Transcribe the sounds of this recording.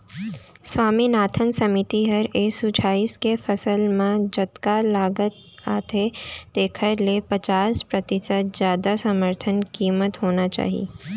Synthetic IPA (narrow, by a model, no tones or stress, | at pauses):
swaːminaːt̪ʰənsɐmɪt̪iɦɐɾeːsut͡ʃʰaːiskefɐsəlmẽd͡ʒɐt̪kalaːɡət̪̚ | aːt̪ʰet̪eːkʰəɾlepɐt͡ʃaːspɾɐt̪ɪsət̪̚zjaːd̪asɐməɾt̪ʰənkiːmət̪ɦoːnat͡ʃa̰ːɦḭ